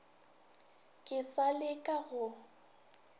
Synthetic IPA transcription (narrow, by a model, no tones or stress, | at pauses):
kʼɪsalɪkʼaɣʊ